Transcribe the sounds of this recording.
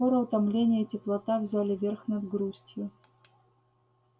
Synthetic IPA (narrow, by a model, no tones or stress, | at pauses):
ɔɾəʊt̪ɐmlʲenʲɪjəitʲɪplˠɐt̪avzʲalʲɪvʲerxnɐd̪ɡɾusʲtʲjʊ